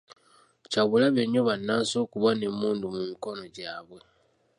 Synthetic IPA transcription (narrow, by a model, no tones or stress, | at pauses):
caβulaβeɲːoβanːaːso̞ːkuβane̞mːuːndumumiko̞no̞ɟaːβwe